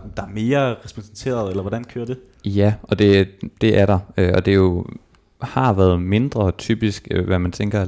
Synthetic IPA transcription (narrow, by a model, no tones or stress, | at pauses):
d̥ɑ̈æɐme̝ːɐʁɛsb̥ʰɔnsent͡sʰe̝̰ːɐð̩ˠelɐʋɒd̥ænkʰøːɐd̥e̝ | jæʔɒ̽d̥e̝d̥e̝ʔæɐɾ̥ɑ̈øɒ̽d̥e̝jo̝ | hɑ̈ʋæːɐð̞ˠme̝nd̥ʁɐt͡sʰy̰ːb̥isɡ̥ʋæmænt͡sʰeŋɡ̥ɐ